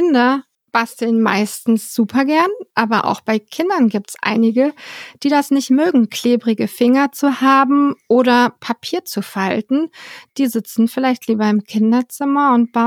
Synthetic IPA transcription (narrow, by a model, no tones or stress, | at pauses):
kɪndɐ | b̥astl̩nma̰ɪstn̩sz̥uːpʰɐɡɛɐnʔaːbɐʔa̰ʊxb̥aɪkʰɪndɐnɡiːp̚tsʔa̰ɪnɪɡəd̥iːdasnɪçtmøːɡŋ̩kʰl̥eːbʁɪɡəfɪŋɐt͡suhaːbm̩ʔoːɾɐpʰapʰiːɐt͡sufaltn̩d̥iːzɪt͡sn̩fɪlaɪçtliːbɐɪmkʰɪndɐt͡sɪmɐʊnt̚b̥a